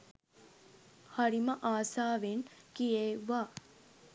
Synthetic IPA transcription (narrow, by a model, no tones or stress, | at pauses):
hɐɾiməʔaːsaːʋeŋkijeːʋaː